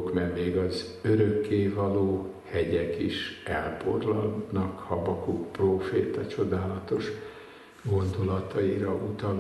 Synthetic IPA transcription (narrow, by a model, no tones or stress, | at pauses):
kmɛnːeːɡɒz | øɾøkːeːvɒloː | hɛɟɛkiʃɛlpo̰rlɒlnɒkhɒbɒkukproːfeːt̪ɒt͡ʃo̞d̪aːlɒt̪o̞ʃ | ɡo̞nd̪olɒt̪ɒiɾɒut̪ɒl